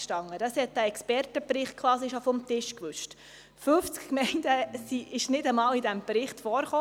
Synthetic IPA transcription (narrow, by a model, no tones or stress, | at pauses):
ʃtɑŋədɑshɛt̚d̥æːɛkspɛɾtəpɾɪχt̚kʰʋɑːsiʃofɔmtɪʃkʋʏʃt | føft͡skkmɛɪndəsiɪʃnɪdəmɑːlidæmbɾɪχtfɔːɾχoː